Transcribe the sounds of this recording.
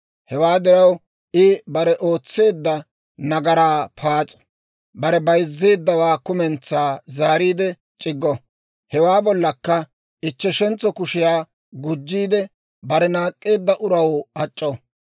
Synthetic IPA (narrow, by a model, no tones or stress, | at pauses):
hɛwaːd̪ɪɾɐw | ɪbɐɾɛʔo̞ːt͡sːe̞ːd̪ːɐ | nɐɡɐɾaːpʰaːt͡sʼɐ̥ | bɐɾɛbɐjzːeːd̪ːɐwaːkʊmɛnt͡sːaːzaːɾiːd̪ɛ | t͡ʃʼɪɡːɔ | hɛwaːbɔlːɐkːɐ | ɪt͡ʃːɛʃɛnt͡sɔkʊʃɪjaː | ɡʊd͡ʒːiːd̪ɛ | bɐɾɛnaːkʼːe̞ːd̪ːɐʔʊɾɐwɐt͡ʃʼːɔ